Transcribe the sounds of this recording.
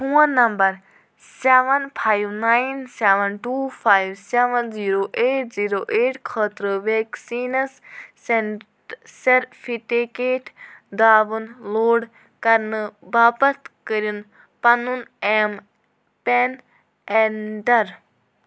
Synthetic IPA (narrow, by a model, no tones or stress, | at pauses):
ɦũːɐ̃nːɐmbɐɾ | seːʋɐnpʰaːjʋnaːinseːʋɐnʈuːpʰaːjiʋseʋɐnziːɾoːʔeːʈ̚ʰziːɾoːʔeːʈkʰəːt̪ɾɨʋeksiːnɐsse | seɾfʰiʈikeːʈʰd̪aːʋɨnloːɽ | kɐɾnɨbaːpɐt̪kəɾjun | pɐnunem | pen | enɖɐɾ